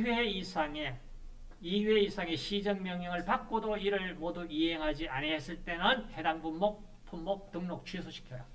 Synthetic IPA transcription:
eisʰaŋe | ieisʰaŋe̞ɕʰid͡ʑʌŋmjʌŋjʌŋɯɭpak͈̚odoiɾɯɭmoduiɦeŋɦad͡ʑianeɦes͈ɯɭt͈e̞nɯnhe̞daŋbumːo | pʰumːok̚t͈ɯŋnok̚t͡ɕʰɥisʰoɕʰi̥kʰjʌɾa

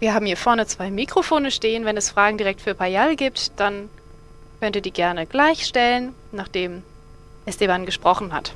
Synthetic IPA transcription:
viːɐhaːbm̩hiːɐfɛɐnət͡sv̥aɪmikʁ̥ofoːnəʃteːənvɛnɛsfʁ̥aːɡŋ̩diʁɛk̚tfyːɐpʰajalɡiːp̚td̥an | kʰœntiːɐdiːɡɛɐnəɡ̥laɪçʃtɛlən | naːχd̥eːm | ʔɛsd̥eːmanɡəʃpʁ̥ɔχn̩ɦa̰t

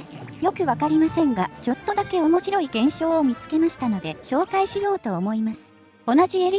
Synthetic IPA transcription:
jo̞kɯ̟βakaɾʲimasẽ̞ŋɡat͡ɕo̞t̪ːo̞d̪ake̞o̞mo̞ɕiɾo̞iɡẽ̞ɰ̃ɕo̞ːmʲit͡sɨ̥ke̞maɕi̥t̪ano̞d̪e̞ɕo̞ːkaiɕijo̞ːt̪o̞ːmo̞imasɨ̥ | o̞naʑieɾʲ

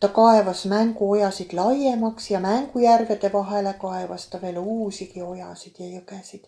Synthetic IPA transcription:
t̪ɑkɑe̞vɑsmæŋɡuo̞jɑsid̪̥lɑjemɑksjɑmæŋɡujærve̞d̪e̞vɑɦe̞le̞kɑevɑst̪ɑve̞ːluːsikio̞jɑsid̪̥jɑjøkesid̪̥

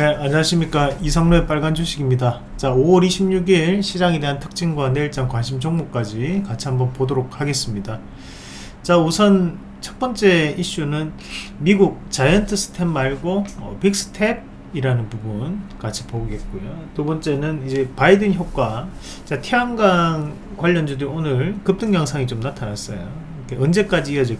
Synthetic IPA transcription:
e̞aɲaɕʰimɲik͈aisʰaŋmɯɭp͈aɭɡant͡ɕʰoɕʰiɡimɲida | t͡ɕaowʌɾiɕʰimɲuɡiɭɕʰid͡ʑaŋe̞de̞ɦantʰɯ̥k̚t͡ɕ͈ʰinɡwaneɭt͡ɕ͈aŋkwanɕʰimt͡ɕʰʌŋmuk͈ad͡ʑikat͡ɕʰiɦambʌnpodoɾok̚haɡe̞s͈ɯmɲida | t͡ɕausʰʌn | t͡ɕʰʌt̚p͈ʌnt͡ɕ͈e̞iɕ͈unɯn | miɡuk̚t͡ɕajʌntʰɯsʰɯ̥tʰe̞mmaɭɡoʌpik̚s͈ʰɯ̥tʰe̞b̚ | iɾanɯnpubunkat͡ɕʰi̥poɡe̞t̚k͈ojotobʌnt͡ɕ͈e̞nɯnid͡ʑe̞paidɯnçjok͈wa | t͡ɕatʰeaŋɡaŋ | kwaʎːʌnd͡ʑudeonɯɾkɯp̚t͈ɯŋjʌŋsʰaŋit͡ɕomnatʰanas͈ʌ̰jo | ikʰeɯnd͡ʑe̞k͈ad͡ʑiːʌd͡ʑi

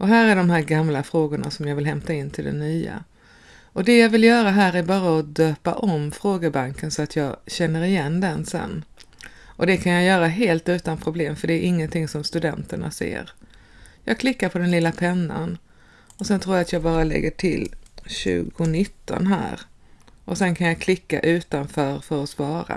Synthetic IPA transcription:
ʔɔɦæːɾæɖɔmɦæːɾɡamlafɾoːɡʊɳa̰sɔmjɑːvɪlɦɛmt̪aɪnːt̪ʰɪld̪ɛ̰nyːa̰ | ɔd̪ɛjɑːvɪljœːɾaɦæːɾæɾbɑːɾaɔd̪øːpa̰ʔɔmfɾoːɡəɾbaŋkənsɔat̪ʰjɑːɡɕɛnːəɾɪjɛnːd̪ɛnsɛ̰nː | ʔɔd̪ɛkʰanjɑjœːɾaɦeːlt̪ʉ̟ːt̪anpʰɾʊbleːmfœɖɛːɾʔɪŋːənt̪ʰɪŋsɔmst̪ɵd̪ɛnt̪əɳa̰sḛːɾ | jɑːɡkʰlɪkːaɾpʰɔd̪ɛnlɪlːapʰɛnːa̰n | ɔsɛnt̪ʰɾuːjaat̪ʰjɑːɡbɑːɾalɛ̰ɡːəʈʰɪ̰lːɕʉ̟̰ːɡʊnɪt̪ːɔ̰nɦæ̰ːɾ | ʔɔsɛnkʰanjɑkʰlɪkːa̰ʔʉ̟ːt̪anfœːɾfœɾɔsvɑːɾa̰

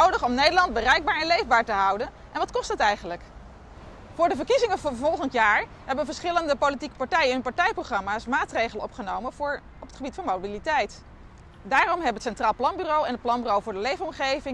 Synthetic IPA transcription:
owdəχɔmnejdəɹlɑnd̚bərɛjɡ̚baːɹɛnlejvbaːɹtəɦʌwdən | ʔɛnʋɑtkɔstɦətɛjχənlək | vʊːɹdəvəɹkizɪŋəvɔlˠχəntjaːɹ | ɦɛbənvəɹsχɪləndəpowlitikə̥paɹtɛjənɛnpaɹtɛjproχrɑmaːsmaːtrejχələnɔpχənowmənːɹ | ɔpətχəbitfɑnmowbilitɛjt | daːɾɔmɦɛbəətsɛntraːlˠplɑnbyrowɛnət̚plɑnbyrowvʊːɹdəlejfəɔmχejvɪŋ

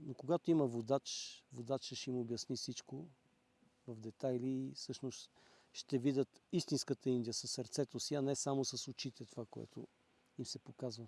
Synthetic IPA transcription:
nokoɡat̪oimɐvod̪at͡ʃvod̪at͡ʃəʃɛimobjɐsnifsit͡ʃko | vɐvd̪ɛt̪ajliːsɤʃnost̪ | ʃt̪ɛvid̪ʲət̪ist̪inskət̪əind̪iəsɐsːəɾt̪sɛt̪osiɐnɛsamosɐsʊt͡ʃit̪ɛt̪ovakoɛ̰t̪ʰo̰ | imsɛpokazvə

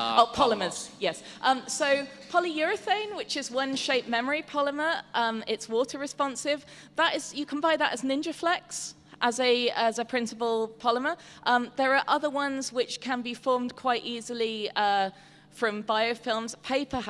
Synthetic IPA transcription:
opʰɒləməz̥jɛs | ʔʌ̃msoʊpʰɒlijɔɹəθẽɪ̃nwɪt͡ʃɪzwʌ̃nʃeɪp̚mɛməɹipʰɒləməʔʌ̃mɪtswɔˑtʰəɹɪspɒ̃nsɪvðətɪzjəkʰə̃nbaɪðətəznɪ̃nd͡ʒəflɛks | ʔəzəəzəpʰɹ̥ɪ̃nsɪpəlˠpʰɒləməʔʌ̃mðəɹəʔʌðəwʌ̃nzwɪt͡ʃkʰə̃nbifɔːmdkʰw̥aɪtiːzəliʌ | fɹə̃ɱbaɪəʊfɪlˠmz̥pʰeɪpə

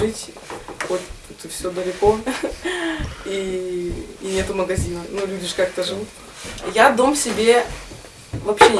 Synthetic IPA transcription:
ɨtʲ | ot̪ɛt̪əfsʲod̪əlʲɪko̞ | iː | nʲet̪ʊməɡɐzʲinənulʲudʲɪʂkakt̪əʐɨvut̪ | jad̪o̞msʲɪbʲe̞ | vɐpɕːe

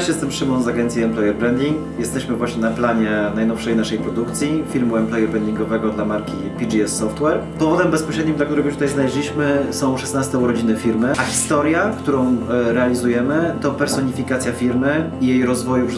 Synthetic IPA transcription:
ʂjɛst̪ɛmpʂɘmɔ̃w̃zaɡɛnt̪sʲjiɛmplɛjɛɾbɾɛnd̪ʲiŋk | jɛst̪ɛɕmɘvwaɕɲɛnaplaɲɛnajnɔfʂɛjnaʂɛjpɾɔd̪ukt̪sʲjifʲiɾmuɛmplɛjɛɾbɾɛnd̪iŋɡɔvɛɡɔd̪lamaɾkʲipʲid͡ʐiɛsːɔft̪wɛɾpɔvɔd̪ɛmbɛspɔɕɾɛd̪̚ɲimd̪lak̚t̪uɾɛɡɔjuʃt̪ut̪ajznalɛʑʲlʲiɕmɘsɔ̃w̃ʂɛsnast̪ɛuɾɔd͡ʑinɘfʲiɾmɘʔaxʲi̥st̪ɔɾʲjakt̪uɾɔ̃w̃ɾɛalʲizujɛmɘt̪ɔpɛɾsɔɲifʲikat̪sʲjafʲiɾmɘijejɾɔzvɔjup

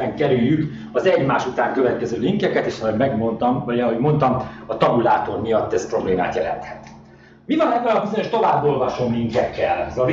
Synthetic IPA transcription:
ɛŋkɛɾyjːyk | ɒzɛɟmaːʃut̪aːŋkø̞vɛt̪̚kɛzøːliŋkɛkɛt̪eːʃɒɦoɟmɛɡmont̪ɒmɒɦo̞ɟmo̞nt̪ɒmɒt̪ɒbulaːt̪o̞rmijɒt̪ːɛspro̞bleːma̰ːt̪jɛlɛ̰nt̪hɛt̪ | mivɒnɛɡɛlɒbizo̞ɲo̞ʃt̪o̞vaːbːo̞lvɒʃo̞mliŋkɛkːɛlzɒv

